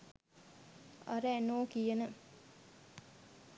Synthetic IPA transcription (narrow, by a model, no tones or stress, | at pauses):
ɐ̰ɾəænoːkijənə